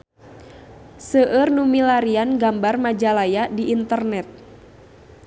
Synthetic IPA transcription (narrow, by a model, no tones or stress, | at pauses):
səʔərnumilaɾianɡambarmad͡ʒalajadiʔːnt̪ərnɛt̪̚